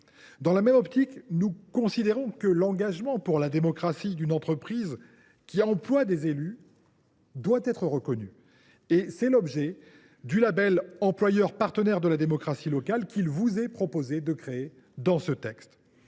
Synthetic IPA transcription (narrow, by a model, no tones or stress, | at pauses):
d̪ɑ̃lamɛmɔpt̪iknukɔ̃sid̪eʁɔ̃kəlɑ̃ɡaʒmɑ̃puʁlad̪emɔkχasid̪ynɑ̃t̪χəpχiz | kʲiɑ̃plwad̪ezely | d̪wat̪ɛt̪χəʁəkɔny | esɛlɔbʒɛ | d̪ylabɛlɑ̃plwajœʁpaʁt̪ənɛʁd̪əlad̪emɔkχasilɔkalkʲilvuzɛpχɔpozed̪əkχee | d̪ɑ̃sət̪ɛkst̪